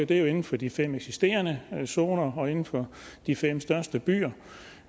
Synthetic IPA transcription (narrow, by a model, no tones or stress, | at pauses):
d̥e̝jo̝e̝nn̩fɒ̽d̥ifem̰eɡ̥sisd̥e̝̰ːɐnəso̝ːnɐɒ̽e̝nn̩fɒ̽ | d̥ifem̰sd̥ɶɐsd̥əb̥y̰ːɐ